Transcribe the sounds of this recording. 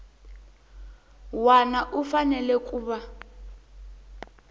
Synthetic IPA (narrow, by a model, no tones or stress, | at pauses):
wanaʔufanɛlɛkʼuːβa